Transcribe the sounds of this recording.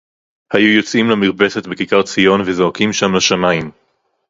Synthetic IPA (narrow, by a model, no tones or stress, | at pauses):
hajujo̞t͡simlamiʁbe̞setbekikaʁt͡sijo̞nvezo̞hakimʃamlaʃamaim